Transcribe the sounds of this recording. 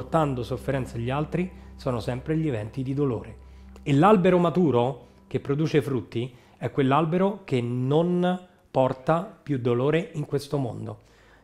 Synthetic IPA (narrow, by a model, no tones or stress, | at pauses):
rt̪and̪osofːeɾɛnt̪saʎːialt̪ɾisɔːnosɛmpɾeʎievɛnt̪id̪id̪olo̰ːɾeelalbeɾomat̪uːɾo | kepːɾod̪uːt͡ʃefɾut̪ːi | ɛkːwelːalbeɾokenon | pɔrt̪apjud̪ːoloːɾeiŋkwest̪omo̰nd̪o